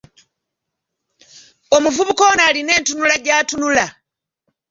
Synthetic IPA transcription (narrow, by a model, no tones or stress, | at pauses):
o̞muvuβuko̞naːline̞ːntunulaɟaːtunula